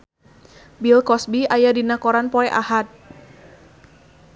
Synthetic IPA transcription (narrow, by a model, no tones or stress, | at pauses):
bilkɔsbiajadinakɔɾanpɔɛʔa̰hat̪̚